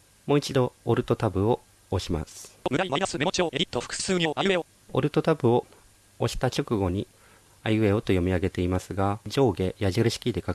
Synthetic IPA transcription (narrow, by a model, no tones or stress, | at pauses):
mo̞ːit͡ɕid̪o̞ːɾɯ̟t̪o̞t̪abɯ̟o̞ː | ɕima̰sɨ̥mɯ̟ɾaiaiasɨmeooeɾʲit̪oɸkɯ̥sɨːɲae | o̰ɾɯ̟t̪o̞t̪abɯ̟o̞ | oɕi̥t̪at͡ɕo̞kɯ̟ɡo̞ɲ̟i | ajɯe̞o̞t̪o̞jo̞mʲiaɡe̞t̪e̞imasɨɡad͡ʑo̞ːɡe̞jaʑiɾɯ̟ɕi̥kʲid̪e̞ka